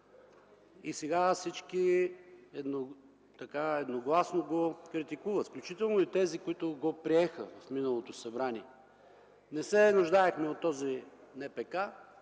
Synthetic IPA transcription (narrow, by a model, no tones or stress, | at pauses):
isɛɡafsit͡ʃki | ɛd̪no | t̪ɐkaɛd̪noɡlˠasnoɡokɾit̪ikuvət̪fklʲut͡ʃit̪ɛlˠnoit̪ɛzikʊit̪ʊɡopɾiɛxəvɐfminəlˠot̪osɐbɾaniɛ | nɛsɛnuʒd̪aɛxmɛot̪ːɔzinɛpɛka